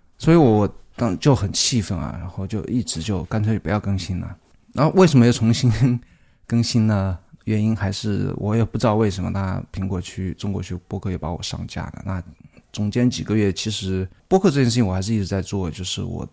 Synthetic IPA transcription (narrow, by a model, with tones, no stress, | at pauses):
swɔ˧˥i˧˥wɔ˧˥wɔ˨˩t̪ɑ˥ŋt͡ɕjo˥˩ʊxə˨˩nt͡ɕʰi˥˧fə˥˩nɐ̰˨˩ɻa̰˧˥nxo˥˧ʊt͡ɕjo˥˧ʊi˥˩ʈ͡ʂɻ̩˧˥t͡ɕjo˥˩ʊka˥nt͡sʰwe˧˥˧pjɑ˥˧ʊkɤ˥ŋɕi˥nə̰˨ | na˥˩we˥˩ɪʂə˧˥mə˧jʊt͡sʰʊ˧˥ŋɕi˥n | kɤ˥˧ŋɕi˥nd̪ə˨ɥɛ˧˥ni˥nxa˧˥ɪʂɻ̩˥˩wʔɔ̰˧˥jɛ˨˩pu˥˩ʈ͡ʂɻ̩˥ɑ˥˧we˥˩ɪʂə˧˥nmə˧t̪ʰa˥˩pʰi˧˥ŋkwɔ˧˩t͡ɕʰy˥ʈ͡ʂʊ˥ŋkwɔ̰˧˥t͡ɕʰy˥pwɔ˥kʰɤ˥˩jɛ˨˩pa˧˥wɔ̰˨˩ʂɑ̰˥˧ŋt͡ɕja̰˥˩d̪ə̰˩na̰˥˩t͡sʊ˧˩ŋt͡ɕjɛ˥nt͡ɕi˨˩ɡə˦ɥɛ˥˩t͡ɕʰi˧˥ʂɻ̩˧˥pwɔ˥kʰɤ˥˧ɤ˥˩˧jɛ˥˧ʂ̬̩˥˩ĩ˧wɔ˨˩˧ɪʂɻ̩˥˧i˥˩ʈ͡ʂɻ̩˧˥t͡sa˥˧ɪt͡swɔ˥˩ə˩t͡ɕjo˥˧ʊʂɻ̩˥˩wɔ̰˨˩˦